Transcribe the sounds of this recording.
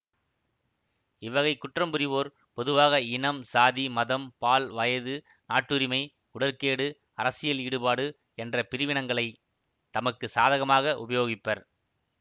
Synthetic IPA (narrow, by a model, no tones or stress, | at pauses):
ɪʋɐɣɐɪkːʊʈrɐmbɯɾɪʋoːɾ | pɔðɯʋaːɣɐɪɳɐmsaːðimɐðɐmpaːlʋɐjɐðɯ | naːʈːɯɾɪmɐɪ | ʊɽɐɾkeːɽɯ | ɐɾɐsɪjɐliːɽɯpaːɽɯ | ɛndrɐpɪɾɪʋɪɳɐŋɡɐɭɐɪ | t̪ɐmɐkːɯsaːðɐɣɐmaːɣɐʔʊ̰bɐjoːɣɪpːɐɾ